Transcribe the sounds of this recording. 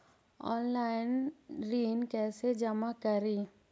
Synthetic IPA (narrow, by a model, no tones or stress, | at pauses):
ɔ̰ːnlaːɪnɾiːnkɛːsed͡ʒəmakəɾiː